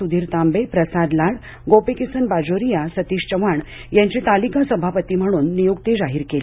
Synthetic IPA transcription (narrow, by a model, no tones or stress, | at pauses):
ud̪ʱiːɾt̪ambepɾəsad̪laɽ | ɡopekisənbad͡ʑoɾijasət̪iːɕt͡ɕəʋaɳ | jãɲt͡ɕiːt̪alikasəbʱapət̪iːm̤əɽ̃uːnːijuɡt̪ed͡zaɦiɾkeli